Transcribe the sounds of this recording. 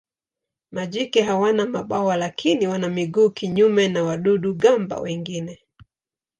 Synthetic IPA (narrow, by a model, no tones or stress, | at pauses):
maʄikɛɦawanamaɓawalakʰiniwanamiɡuːkiɲumɛnawaɗuɗuɡamba̰wɛŋɡinɛ